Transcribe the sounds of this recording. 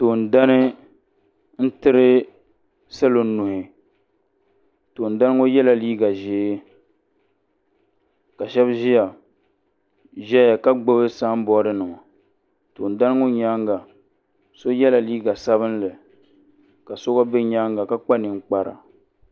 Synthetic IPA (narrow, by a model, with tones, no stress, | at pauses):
to˨n̩˨da˦nɨ˦ | n̩˦tɨ˦ɾɨ˦ | sɛ˦lo˨˦nu˨hɪ˨ | toː˨n̩˨da˦n˦ŋo˦jɛ˦la˨liː˦ɡa˨ʒeː˨˦ | ka˨ʃɛ˦bʒi˦ja˨ | ʒɛ˦ja˨ka˦ɡ͡bo˦bɨ˦sa˦m̩˦bɔ˦ɾɨ˦nɨ˨ma˨ | to˨n˨da˦n˦ŋʊ˦ɲa˦ŋɡa˨ | so˦jɛ˦la˨liː˦ɡa˨sa˦βɨ˦n˦lɨ˨ | ka˨so˦ɡa˦bɛ˦ɲa˦ŋɡa˨ka˦k͡pa˦nɨ˨ŋ̩˦k͡pa˦ɾa̰˨